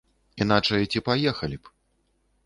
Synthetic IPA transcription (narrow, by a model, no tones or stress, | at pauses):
in̪at͡ʂɐjt͡sʲipajɛxɐlʲip